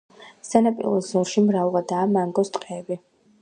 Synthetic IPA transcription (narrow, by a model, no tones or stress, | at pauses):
sanapʼḭlˠɔszɔɾʃimɾavʁad̪aːmaŋɡɔst̪ʼqʼɛːbi